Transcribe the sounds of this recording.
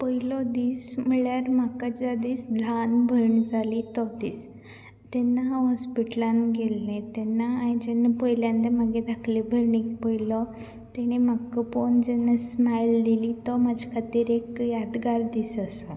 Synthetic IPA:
pəjlɔd̪iːsm̤əɭjaɾmakad͡ʑad̪iːsd̪ʱanbʱəɾɳd͡zalit̪ɔd̪iːs | t̪ɛnːaɦɔspiʈlanɡelːẽt̪ɛnːaːɽid͡ʑɛnːapəjljãnd̪emaɡed̪ʱakʰlebʱəɾɳikpəjlɔ | t̪ɛɽ̃emakːəpond͡ʑɛnːasmajld̪ilit̪ɔmad͡ʑʱkʰat̪iːɾekjad̪ɡaɾd̪iːsəsə

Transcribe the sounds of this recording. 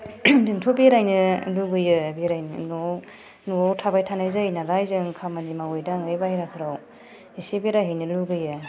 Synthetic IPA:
diŋtʰobeɾajnɯluɡɯjɯbeɾajnɯno | nowtʰabajtʰanajzajnaɾajzɯŋkʰamanimawɯjdaŋɯjbahiɾakʰɯɾaw | isebeɾajɦejnɯluɡɯjɯ

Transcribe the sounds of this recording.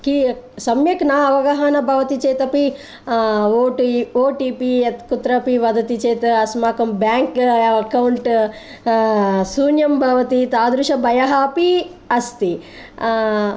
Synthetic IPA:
ki | sɐmjɐknaːɐʋɐɡɐɦɐnɐbʱɐʋɐt̪it͡ʃeːt̪ɐpi | oːʈioːʈiːpiet̪kut̪ɾɐpiʋɐd̪ɐt̪it͡ʃeːt̪ɐsmaːkɐmbjaːŋkɐkɐwɳʈ | suːnjɐmbʱɐʋɐt̪it̪aːd̪ɾuʃɐbʱɐjɐɦaːpi | ɐst̪i

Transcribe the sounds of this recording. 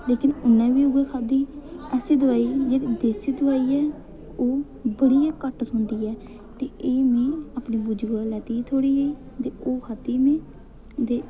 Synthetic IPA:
leːkɪnʊnːãːʋiːʊɡekʰaːd̪iːɛsiːd̪əʋaːiːd͡ʒeːɽiːd̪eːsiːd̪əʋaːiːɛː | oː | bəɽijãːkəʈɦʊ̃nd̪iːɛː | t̪eːeːmẽːapniːbʊd͡ʒɡaːlɛːʈiːt̪ʰoːɽiːeiː | t̪eːoːkʰaːd̪iːmẽː | d̪eː

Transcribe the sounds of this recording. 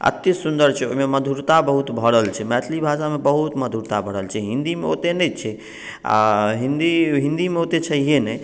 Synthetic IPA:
ə̰t̪ːisund̪əɾt͡ʃʰɛo̰ɦimeməd̪ʱuɾt̪abəɦut̪bʱəɽəlt͡ʃʰɛmɛt̪ʰlibʱasamebəɦut̪məd̪ʱuɾt̪abʱəɽəlt͡ʃʰɛɦĩnd̪imeo̰t̪enət͡ʃʰɛ | a̰ɦind̪iɦĩnd̪imeot̪et͡ʃʰəɦijenɛj

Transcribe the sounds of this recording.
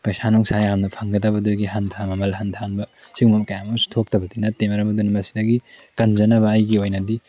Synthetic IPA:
pɐjsanɔŋsajamnɐpʰɐŋɡɐtɐbɐduɡiɦantʰamɐmɐlɦantʰanbɐsiŋmɐmkɐjamɐstʰok̚tɐbɐdinɐtemɐɾɐbɐdunmɐsi̥dɐɡikɐnd͡ʒɐnɐβɐːjɡiojnɐdi

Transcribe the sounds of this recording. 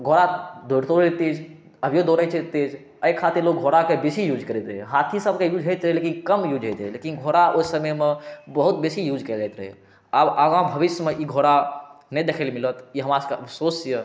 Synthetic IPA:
ɡʱoɾad̪oɾt̪oɾt̪ed͡ʒ | əbʱijod̪oɾəjt͡ʃʰet̪ed͡ʒ | əjkʰːat̪iɾlok̚ɡʱoɾakebesijud͡ʒkəɾɛt̪ɾəɦeɦat̪ʰisəbʱkejud͡ʒɦəjt̪ɾəɦelekinkəmjud͡ʒʱɦəjt̪ɦɛlekinɡʱoɾaʔoisəməjmebəɦut̪̚besijud͡ʒʱkəld͡ʒajt̪ɾəɦɛ̰ | abəɡãbʱəbiʃjəmeʔiɡʱoɾanəjd̪ekʰəlmilət̪iɦəmaskeəpʰsosjə

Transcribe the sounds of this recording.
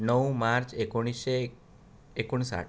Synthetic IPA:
nəwmaɾt͡ʃekuɽ̃iʃeː | kuɳ̃sa̰ʈ

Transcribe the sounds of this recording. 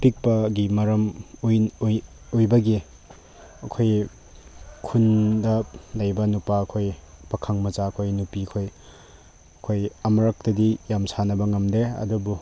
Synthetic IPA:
pik̚pɐɡimɐɾɐm | ojbɐɡi | ɐkʰoj | kʰundɐlajbɐnupaːkʰojpakʰaŋmɐt͡ʃaɐkʰojnupiɐkʰoj | ɐkʰojɐmɐɾak̚tɐdijamsanɐbɐŋɐmdeɐ̰dubu

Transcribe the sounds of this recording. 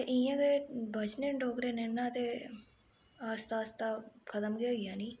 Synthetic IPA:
t̪eʔiãːɡebʱət͡ʃnẽːnɖoːkɾeːnenːãːt̪eː | aːst̪aːst̪aːkʰət̪əmɡejãːniː

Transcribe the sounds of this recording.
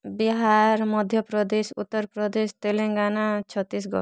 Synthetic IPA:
biɦaɾmɔd̪ʱjɔpɾɔd̪esṵt̪ːɔɾpɾɔd̪est̪eleŋɡanat͡ʃʰɔt̪ːis̬ɡɔ̰

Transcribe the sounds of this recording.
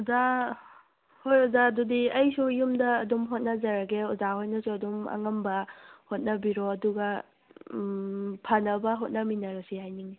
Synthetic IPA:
uza | hojuzadudiɐjsujumdɐːdumɦot̚nɐzɐɾɐɡeuzahojnɐsuɐdumɐ̰ŋɐmbɐhot̚nɐbiɾoɐduɡɐ | pʰanɐbɐɦot̚nɐminɐɾɐsihajniŋi

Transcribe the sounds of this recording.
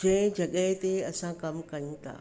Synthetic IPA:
d͡ʒɛ̃d͡ʒɐɡəɦt̪eɐsãkɐmkɐt̪a̰ː

